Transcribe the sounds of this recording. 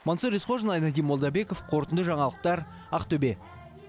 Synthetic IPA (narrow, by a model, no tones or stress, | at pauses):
mɑnsəɾesqoʒənɑjnɑd̪ijmo̞lˠd̪ɑbe̞ko̞fqʰo̞ɾt̪ənd̪əʒɑɴɑlˠəq̚t̪ɑɾ | ɑqt̪ɵbe̞